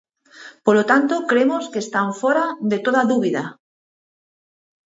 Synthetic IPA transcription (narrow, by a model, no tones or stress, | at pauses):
polot̪ant̪okɾemoskeːst̪aɱfoɾad̪et̪oðaðuβiða